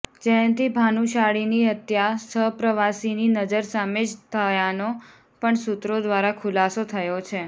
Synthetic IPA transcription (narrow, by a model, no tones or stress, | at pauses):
d͡ʒẽt̪ibʱanũʃaɽiniət̪jasəpɾəʋasininəd͡ʒəɾsamed͡ʒt̪ʰəjano | pəɳsut̪ɾod̪ʋaɾakʰulasot̪ʰəjot͡ʃʰe